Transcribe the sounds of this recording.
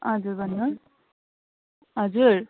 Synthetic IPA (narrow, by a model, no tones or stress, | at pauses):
ɦʌd͡zuɾbʱʌnːu | ɦʌd͡zuɾ